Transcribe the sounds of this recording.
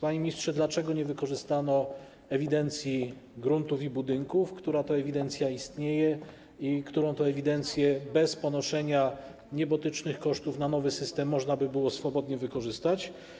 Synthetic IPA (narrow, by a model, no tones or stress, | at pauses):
paɲemʲɲistʂɛd̪lat͡ʂɛɡɔɲɛvɘkɔʐɘst̪anɔ | ɛvʲid̪ɛnt̪sʲjiɡɾunt̪ufibud̪ɘŋkufkt̪uɾat̪ɔɛvʲid̪ɛnt̪sʲjaist̪ɲejɛ | ikt̪uɾɔ̃w̃t̪ɔɛvʲid̪ɛnt̪sʲjɛbɛspɔnɔʂɛɲa | ɲɛbɔt̪ɘt͡ʂnɘxkɔʂt̪ufnanɔvɘsɘst̪ɛmːɔʐnabɘbɘwɔsfɔbɔd̪ɲɛvɘkɔʐɘst̪at͡ɕ